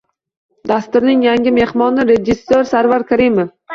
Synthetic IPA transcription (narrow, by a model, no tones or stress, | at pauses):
d̪ast̪ʊɾnɪŋjaŋʲɪme̞hmɒnɪɾed͡ʒɪsːoɾsaɾvaɾkʰaɾimef